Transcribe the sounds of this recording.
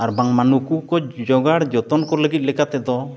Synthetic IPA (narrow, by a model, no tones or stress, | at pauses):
aɾbaŋmanukukɔd͡ʒɔɡaɽd͡ʒɔt̪ɔnkɔɾuləɡit̪̚lɛkat̪ɛd̪ɔ